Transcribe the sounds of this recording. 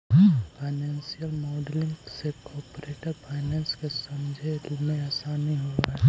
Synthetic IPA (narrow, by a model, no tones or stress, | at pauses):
pʰaːɪnɛːnsijəlmɔːɖlɪ̃ŋksekɔːpɾeːʈəɾpʰaɪnɛ̃ːnskesɐmd͡ʒʱelmẽɛːsanəɦĩɦoaɦɛ